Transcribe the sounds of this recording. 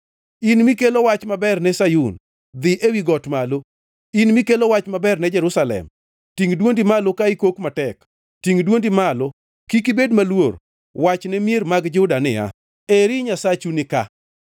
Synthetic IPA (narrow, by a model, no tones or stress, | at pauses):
inmikelowat͡ʃmabɛrnɛsajun | d̪ɪʔewiɡɔtmalo | inmikelowat͡ʃmabɛrnɛd͡ʒɛɾʊsalɛ̰m | tiŋdwondimalokaikokmatɛk | tiŋdwondimalo | kikibedmalwor | wat͡ʃnɛmjeɾmaɡd͡ʒʊdanɪa̰ | eɾɪɲasat͡ʃunɪka̰